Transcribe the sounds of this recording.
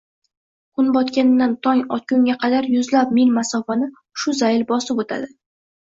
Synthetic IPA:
qʰʊnbɒt̪kʲand̪ant̪ʰɒŋɒt̪̚kʲʊŋɡʲaqʰɑd̪aɾjʊzlap̚milmasɒfanɪ | ʃʊzajɪlbɒsɪpot̪ʰa̰d̪ɪ

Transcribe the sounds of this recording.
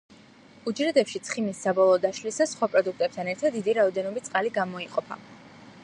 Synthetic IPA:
ud͡ʒɾɛd̪ɛpʃit̪sʰχimisːabɔlˠɔːd̪aʃlisasχwapʼɾɔd̪uk̚ʰt̪ʼɛp̚t̪ʰanɛɾt̪ʰad̪ːid̪iɾaɔd̪ɛnɔbit̪sʼqʼaliɡamɔiqʼɔpʰa̰

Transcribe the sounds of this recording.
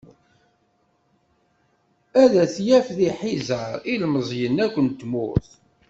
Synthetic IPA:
æðæθjæfðiħizəɾˤilməzˤjənːækʷːənt̪mʊ̰θ

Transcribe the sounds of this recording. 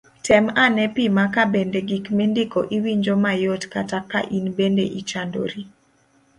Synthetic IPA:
tɛmanɛpimakabendeɡikmendɪkoʔiwiɲd͡ʒomajotkatakːa̰ʔinbendḛʔit͡ʃando̰ɾi

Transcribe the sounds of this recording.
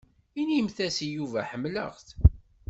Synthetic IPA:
inimθæsijuvæħəmːlə̰ʁθ

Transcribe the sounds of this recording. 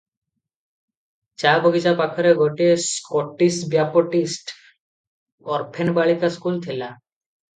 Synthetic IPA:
t͡ʃabɔɡid͡ʒapakʰɔɾeɡʱoʈieskɔʈisʈbjapɔʈisʈ | ɔɾpʰenbaɭikaskult̪ʰila

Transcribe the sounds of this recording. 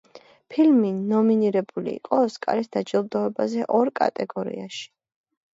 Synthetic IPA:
pʰilminɔminiɾɛbulḭːqʼɔskʼa̰ɾisd̪ad͡ʒilˠd̪ɔɛbazɛʔɔɾkʼa̰t̪ʼɛɡɔɾḭaʃi̥

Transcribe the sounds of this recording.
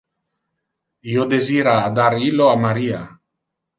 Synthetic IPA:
iod̪eziɾaːd̪aɾiloamaɾia

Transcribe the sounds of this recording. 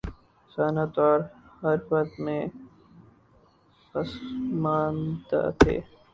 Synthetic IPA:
saːnat̪ɔːɾhɐɾʋəkt̪mẽ | pəsmaːnd̪a̰ːt̪ʰḛː

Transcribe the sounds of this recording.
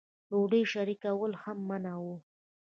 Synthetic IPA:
loɖəjʃaɾikawəlhamːanawu

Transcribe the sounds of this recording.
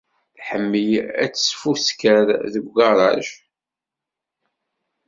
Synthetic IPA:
θħəmːəjæ̰t͡sːə̥sfuskəɾðəɡɡɑɾˤɑʒ

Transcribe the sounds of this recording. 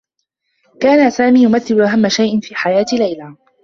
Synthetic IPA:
kaːnasaːmiːjʊmaθːɪlʊʔaɦamːaʃajʔɪnfiːħajaːt̪lajlaː

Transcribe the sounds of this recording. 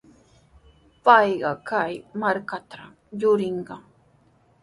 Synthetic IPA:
pɑjɢɑkajmaɾkat̪ʰa | jʊɾɪɴɢɑ

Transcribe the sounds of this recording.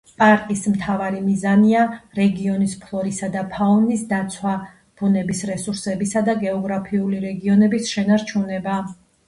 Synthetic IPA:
pʼaɾt̪ʼismt̪ʰavaɾimizaniaɾɛɡiɔnispʰlˠɔɾisad̪apʰaɔnisd̪at̪sʰwa | b̥unɛbisɾɛsuɾsɛbisad̪aɡɛɔɡɾapʰiuliɾɛɡiɔnɛbisʃɛnaɾt͡ʃʰunɛba

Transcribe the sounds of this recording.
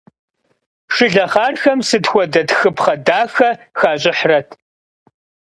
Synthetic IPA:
ʂɨɮɐχaːrxɐmsɨtxʷɔdɐtxɨpʰχɐdaːxɐxaːɕʼɪħrɐtʰ

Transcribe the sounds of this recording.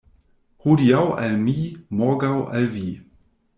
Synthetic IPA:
hudiawa̰lmimɔɡawʔa̰lviː

